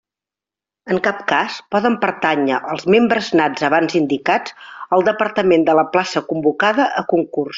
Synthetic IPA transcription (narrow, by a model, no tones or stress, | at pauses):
əŋkap̚kaspɔðəmpəɾt̪aɲəʔəlˠzmembɾəznad͡zəβanzind̪ikad͡zəlˠd̪əpəɾt̪əmend̪ələplasəkumbukaðəʔəkuŋkurs